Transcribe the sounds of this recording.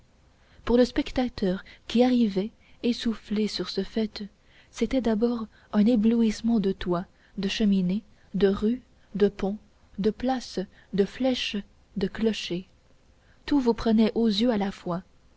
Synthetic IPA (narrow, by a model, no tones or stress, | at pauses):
puʁləspɛkt̪at̪œːʁkʲiaʁivɛ | esuflesyʁsəfɛt̪ | set̪ɛd̪abɔːʁ | ɛ̃nebluismɑ̃d̪ət̪wa | d̪əʃəmine | d̪əʁy | d̪əpɔ̃ | d̪əplas | d̪əflɛʃ | d̪əklɔʃe | t̪uvupχənɛʔozjøalafwa